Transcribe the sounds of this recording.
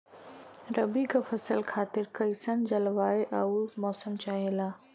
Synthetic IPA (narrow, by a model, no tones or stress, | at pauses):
ɾɐbikafɐsəlkʰaːt̪ɪɾkɐisənd͡ʑɐlʋaːeʔɐumɔːsəmt͡ɕaːɦelaː